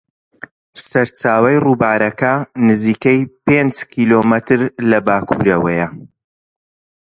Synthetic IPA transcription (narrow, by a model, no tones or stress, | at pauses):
sɐɾt͡ʃaːwɐjruːbaːɾɐkɐnɨziːkɐjpend͡ʒkiːloːmɐt̪ɨɾlɐbaːkʰṵːɾɐwɐjɐ